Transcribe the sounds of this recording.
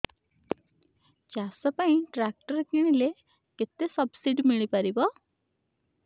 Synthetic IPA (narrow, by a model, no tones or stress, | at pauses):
t͡ɕasəpãĩʈɾæk̚ʈəɾkiɽ̃ile | kit̪ːesəbsiɖmiɭipaɾibɔ